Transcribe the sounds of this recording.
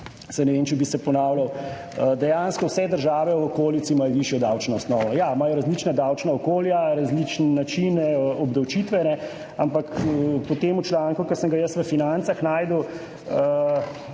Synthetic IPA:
sanɛʋent͡ʃɛbisɛpɔnaːwlaw | əd̪ɛjanskɔwsɛd̪əɾʒaːʋɛwɔkoːlit̪simajɔʋiʃjɔd̪awt͡ʃnɔɔsnɔːʋɔjamajɔɾazlit͡ʃnad̪awt͡ʃnaɔkoːljaɾazlit͡ʃnːat͡ʃinɔbd̪ɐwt͡ʃit̪ʋɛnɛ | ampakpɔt̪eːmut͡ʃlaŋkukəsəŋɡajəsʋəfinant̪saxnaːjd̪əw | ə

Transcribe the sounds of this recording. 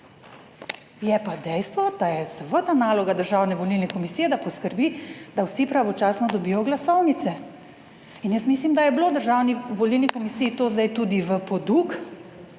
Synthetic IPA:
jɛpad̪ɛjst̪ʋɔd̪ajɛzəʋət̪anaːlɔɡad̪əɾʒaːwnɛʋɔlilnɛkɔmisiːjɛd̪apɔskəɾbid̪awsipɾaʋɔt͡ʃaːsnɔd̪ɔbiːjɔɡlasɔwnit̪sɛ | injəsmiːslimd̪ajɛbloːd̪əɾʒaːwniʋɔlilnikɔmisiːit̪oːzd̪ajt̪ud̪iʋəpɔd̪uk

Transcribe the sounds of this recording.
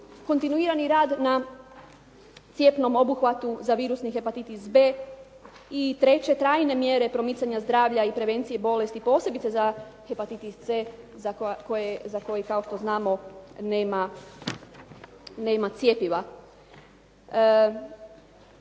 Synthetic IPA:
ko̞nt̪inuiːɾaniɾaːd̪na | t̪sje̞pno̞mo̞buxʋat̪uzaʋiːɾusnixe̞pat̪it̪isbeː | it̪ɾe̞t͡ɕe̞t̪ɾaːjne̞mjeɾe̞pɾo̞mit̪saɲazd̪ɾaːʋʎaipɾe̞ʋe̞nt̪sije̞bo̞le̞st̪ipo̞se̞bit̪seza | he̞pat̪it̪ist̪se | zakojezako̞jikao̞ʃt̪oznaːmo̞neːma | ne̞ːmat̪sje̞piʋa

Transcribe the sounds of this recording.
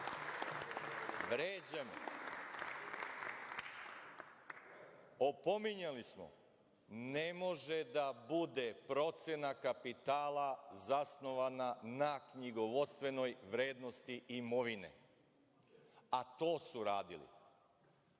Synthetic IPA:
ʋɾeːd͡ʑamḛ | opo̞miɲalismo̰ | nemo̞ʒed̪abud̪e̞pɾo̞t̪senakapit̪aːlˠazasno̞ʋananakɲiɡoʋo̞t̪st̪ʋe̞no̞jʋɾe̞ːd̪no̞st̪iimoʋinḛ | at̪o̞ːsuɾaːd̪ḭlḭ

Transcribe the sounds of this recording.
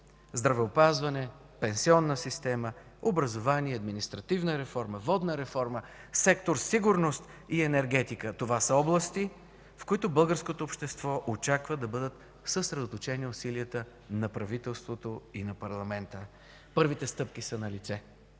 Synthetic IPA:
zd̪ɾɐvɛopazvɐnɛ | pɛnsiɔnːəsist̪ɛmə | obɾɐzovaniɛɐd̪minist̪ɾɐt̪ivnəɾɛfɔɾməvɔd̪nəɾɛfɔɾməsɛkt̪oɾsiɡʊɾnost̪iɛnɛɾɡɛt̪ikət̪ovasəɔblˠəst̪i | fkʊit̪ʊbɤlˠɡəɾskot̪oːpʃt̪ɛst̪vɔʔot͡ʃakvəd̪ɐbɤd̪ət̪ | səsɾɛd̪ot̪ot͡ʃɛniosiliət̪ə | nɐpɾɐvit̪ɛlˠst̪vot̪oinɐpɐɾlˠɐmɛnt̪ə | pɤɾvit̪ɛst̪ɤpk̟isənɐlit̪sɛ

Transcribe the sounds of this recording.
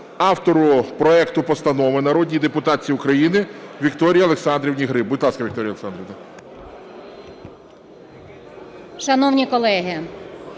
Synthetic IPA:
ɑwt̪ɔɾʊpɾɔɛkt̪ʊpɔst̪ɐnɔʋɪnɐɾɔdʲnʲijd̪epʊt̪ɑt͡sʲiiʊkɾɐjinɪʋʲikt̪ɔɾʲijɐlˠeksɑnd̪ɾʲiwnʲiɦɾɪbʊd̪ʲlˠɑskɐʋʲikt̪ɔɾʲjɐlˠeksɑnd̪ɾʲit̪a | ʃɐnɔwnʲikɔlˠɛɦɪ

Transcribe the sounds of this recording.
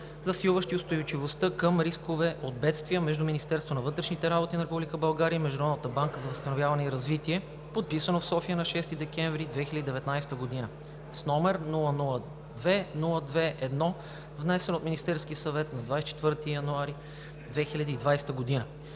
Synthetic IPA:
zɐsilˠvəʃt̪iʊst̪ojʊt͡ʃivost̪əkəmɾiskovɛʔod̪̚bɛt̪st̪viəmɛʒd̪uminist̪ɛɾst̪vonɐvɤt̪ɾɛʃnit̪ɛɾabot̪inɐɾɛpublʲikəbɐlˠɡaɾiəimɛʒd̪oɾɔd̪nət̪əbaŋkəzɐvəst̪ɐnovʲjavɐnɛiɾɐzvit̪iɛ | pot̪̚pisənofsɔfijənɐʃɛst̪id̪ɛk̟ɛ̃ɱvɾid̪vɛxilʲəd̪id̪ɛvɛt̪najst̪əɡod̪inə | snɔmɛɾnulˠənulˠə | d̪vɛnulˠəd̪vɛʔɛd̪nɔ | vnɛsɛnot̪minist̪ɛɾskiəsɐvɛt̪nɐd̪vajsɛt͡ʃɛ̥t̪vɤɾt̪ijɐnuaɾi | d̪vɛxilʲəd̪iːd̪vajst̪əɡod̪inə

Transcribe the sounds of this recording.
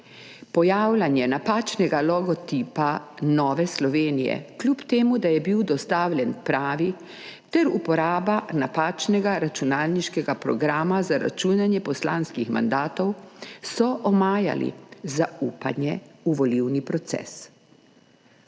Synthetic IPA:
pɔjaːwlʲanjɛnapaːt͡ʃnɛɡalɔɡɔt̪iːpanɔːʋɛslɔʋeːnijɛ̰klʲupt̪eːmud̪ajɛbiwd̪ɔst̪aːwlʲjɛnpɾaːʋi | t̪ɛɾupɔɾaːbanapaːt͡ʃnɛɡaɾat͡ʃunaːlniʃkɛɡapɾɔ̰ɡɾaːmazaɾa̰t͡ʃuːnanjɛpɔslanskixma̰nd̪aːt̪ɔwsɔʔɔmaːja̰lḭzauːpanjɛuʋɔliwnipɾɔt̪sɛ̰s

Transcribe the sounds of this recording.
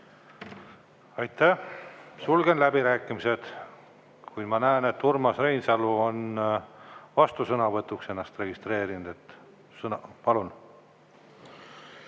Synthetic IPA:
ɑjt̪ːæhsulɡenlæbiɾæːkːˑimise̞d̪̥ | kujd̪̥mɑnæene̞t̪ːurmɑsrejnsɑluon | vɑst̪usɤnɑvɤt̪ːukse̞nːɑst̪re̞ɡ̥ist̪re̞ːɾinud̪̥e̞t̪ː | sɤnɑpɑlun

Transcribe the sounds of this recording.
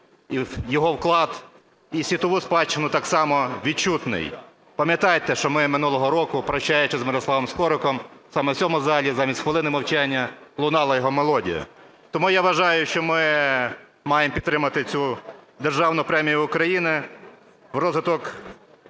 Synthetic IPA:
ijɔɦɔwklˠɑd̪ | isʲʋʲit̪ɔʋuspɑt͡ʃːɪnʊt̪ɑksɑmɔʋʲid̪̚t͡ʃut̪nɪ̰j | pɐmʲjɐt̪ɑjt̪ɛʃt͡ʃɔmɪmɪnulˠɔɦɔɾɔkʊpɾɐʃt͡ʃajʊt͡ʃɛzmeɾɔslˠɑʋɔmskɔɾʊkɔmsɑmɛwt͡sʲɔmʊzɑlʲizɑmʲistʲxʋelˠɪnɪmɐwt͡ʃanʲːɐlˠʊnɑlˠɐjɔɦɔmelˠɔdʲḭjɐ̰ | t̪ɔmujaʋɐʒɑjʊʃt͡ʃɔmɪ | mɑjempʲit̪t̪ɾɪmɐt̪ɪt͡sʲud̪erʒɑwnʊpɾɛmʲijʊːkɾɐjinɪ | wrɔzɦɪt̪ɔk

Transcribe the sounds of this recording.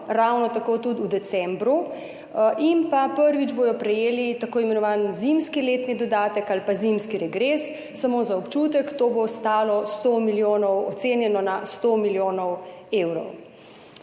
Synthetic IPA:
ɾawnɔt̪akoːt̪ud̪ud̪ɛt̪sɛmbɾu | ʔimpapəɾʋid͡ʒboːjɔpɾɛjeːlit̪akoːimɛnɔʋaːnzimskileːt̪nid̪ɔd̪aːt̪əkalpazimskiɾɛɡɾesː | amoːzaɔpt͡ʃut̪ɛkt̪oːbost̪aːlɔst̪omiljoːnɔwɔt̪seːnjɛnɔnast̪omiljoːnɔweːwɾɔ̰w

